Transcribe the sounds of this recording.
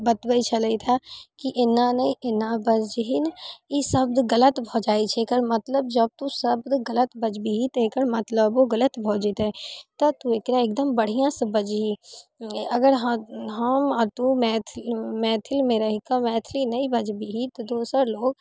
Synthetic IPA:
bɐt̪bəit͡ʃʰɐləit̪ʰakiʔɪnanɐiɪnãbɐd͡ʒɦinisɐb̚d̪ɡɐlət̪bʱɔd͡ʒaːit͡ʃʰekəɾmɐt̪ləb̚d͡ʒɐb̚t̪usɐbd̪ɡɐlət̪bɐd͡ʒbiɦit̪ekəɾmɐt̪ləboɡɐlət̪bʱoːd͡ʒit̪ɛt̪ɐt̪uekɾaek̚d̪əmbɐɽ̤ijãsɐbəd͡ʒɦi | ɐɡəɾɦɦɐmt̪umɛːt̪ʰlmɛːt̪ʰɪlmẽɾɐɦikamɛːt̪ʰlinɐĩbɐd͡ʒbiɦit̪od̪oːsəɾloːɡ

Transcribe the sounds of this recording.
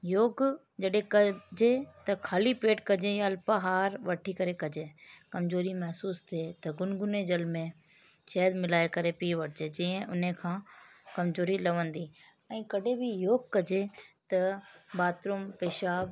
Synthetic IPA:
joːɡ | d͡ʑɐɗɦẽkɐd͡ʑet̪ɐkʰaːlipeːʈkɐd͡ʑejɐlpɐɦaːɾʋɐʈʰikɐɾekɐd͡ʑeːkɐmzoːɾimɐɦsuːst̪ʰiet̪ɐɡʊnɡʊned͡ʑɐlmẽ | ʃɛːd̪mɪlaːekɐɾepiʋɐʈʰɪd͡ʑeːd͡ʑĩːə̃ʔʊn̤ekʰãːkɐmzoːɾilɐʋə̃nd̪i | ɛ̃ːkɐɗebɪjoːɡkːɐd͡ʑet̪ɐbaːt̪ɾʊmpeːʃaːb

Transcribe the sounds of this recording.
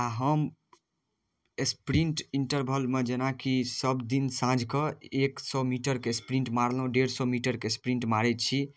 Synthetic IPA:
aɦəm | espɾiɳʈiɳʈəɾbʱəlmed͡ʒenakisəbd̪insãd͡ʒʱkəeksɔmiʈəɾkespɾĩɳʈmaɾlɦũɖeɾsɔmiʈəɾkespɾiɳʈmaɾet̪t͡ʃʰi

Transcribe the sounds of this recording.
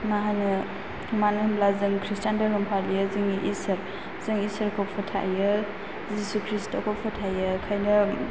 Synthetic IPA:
maɦajnɯ | umanɯmblazɯŋkʰɾistandaɾumpʰalijɯzɯŋiʔisɐɾ | z̥ɯŋisɐɾkʰɔpʰɔtʰa̰jɯ | zisukʰɾistokʰɔpʰɔtʰajɯkʰajnɯ

